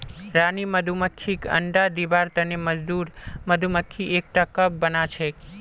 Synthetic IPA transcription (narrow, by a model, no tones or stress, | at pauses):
ɾaniməd̪ʱuməkʰːikə̰ɳɖad̪ibaɾt̪əneməd͡ʒd̪uɾməd̪ʱuməkʰːiʔek̚ʈakəb̚ːənat͡ʃʰe